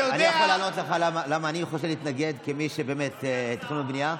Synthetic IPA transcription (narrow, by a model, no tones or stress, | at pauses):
danijaχolaːnot̪leχalamalamaːniχoʃ̬eliːt̪naɡe̞d̪kemiʃebeːmet̪t̪χunmebnija